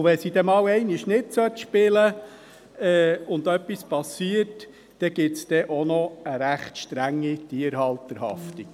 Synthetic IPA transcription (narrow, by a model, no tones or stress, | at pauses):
ʋɛsid̥ɛmɑːwɛɪniʃnɪtsœtʃpɪlə | ɛːʊnd̪œpːispɑsiəɾt | d̥ɛɡ̥ɪtt͡sd̥ɛʔonɔəɾæχtʃtɾæŋːitiəɾhɑlt̪əɾhɑ̰fti̥